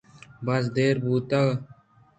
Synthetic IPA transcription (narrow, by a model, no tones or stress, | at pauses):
bɐs̬d̪eːɾbuːt̪ɐɣ